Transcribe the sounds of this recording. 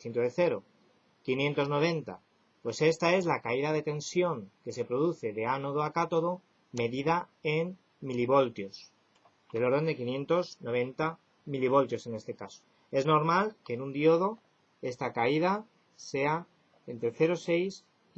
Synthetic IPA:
θint̪oðeθe̞ɾo̞ | kinjẽ̞nt̪o̞zno̞β̞e̞nt̪a̰ | pwe̞se̞st̪ae̞zlakaiðað̞e̞t̪e̞nsjo̞ŋke̞se̞pɾo̞ðuθe̞ðe̞anoðoakat̪o̞ðo̞ | me̞ðiðaen | miliβo̞lt̪jos | d̪elo̞ɾðo̞nd̪e̞kinjẽ̞nt̪o̞sno̞β̞e̞nt̪a | miliβ̞o̞lt̪jose̞ne̞st̪e̞kaso̥ | e̞zno̞ɾmalkenũnd̪jo̞ð̞o̞ | e̞st̪akaið̞a | se̞a | e̞nt̪ɾeθe̞ɾo̞se̞js

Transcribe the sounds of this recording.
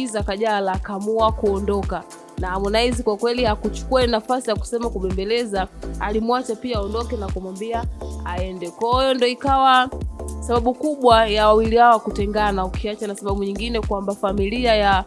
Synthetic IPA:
izakaʄalakamuakuɔndɔka | naːmɔnaizikwakwɛlihakut͡ʃu̥kuanafasijaku̥sɛmakuɓɛmbɛlɛzaalimwat͡ʃapiaɔndɔkɛnakumwambiaaɛndɛkɔjɔndɔikawasaɓaɓukuɓwajawawilihawakutɛŋɡanaukiat͡ʃanasaɓaɓuɲiŋɡinɛkwambafamiliaja

